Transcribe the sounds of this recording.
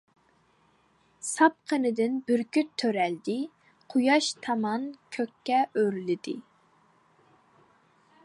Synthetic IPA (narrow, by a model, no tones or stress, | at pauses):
sɑp̚qʰənɨd̪ɪnbɪɾkʰʲyt̪ʰːøɾɛld̪ɪ | qʰujɑʃt̪ʰɑmɑnkʲʰøkʲʰːɛʔøɾlɪd̪ɪ